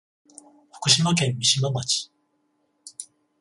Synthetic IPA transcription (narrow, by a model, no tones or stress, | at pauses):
ho̥kɯ̟ɕimak̬ẽ̞mːʲiɕimamat͡ɕi̥